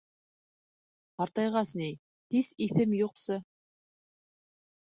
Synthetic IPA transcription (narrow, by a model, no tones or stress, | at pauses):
hɑɾt̪ɑjʁɑsnij | t̪isiθɘmjuqsɤ